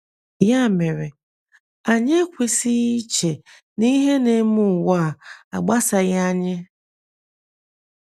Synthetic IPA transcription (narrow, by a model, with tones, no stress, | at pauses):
ja˦˨me˨ɾe˨ | a˨ɲe˦kʷe˨si˦i˦t͡ʃe˨ | ni˦ɦe˦ne˨˦mʊ˦˨wa˦˨a̰˨ɡ͡ba˦sa˨ɣa˦ɲɪ˦